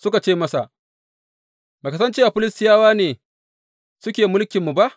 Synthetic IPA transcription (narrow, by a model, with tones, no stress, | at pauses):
sʊ˦ka˨t͡ʃeː˦mɐ˦sa˨ʔ | beː˨kɐ˦s̬ɐ˦nt͡ʃe˦ʔa˨ɸʊ˦lɪ˦stɪ˦jaː˦waː˦neː˨ | sʊ˦kʲeː˨mʊ˦lkʲɪ˨mːu˨ba˦ʔ